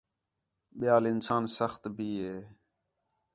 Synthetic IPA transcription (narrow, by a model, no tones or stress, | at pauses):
ɓɪjaːlɪnsaːnsəxt̪bʱiːɦeː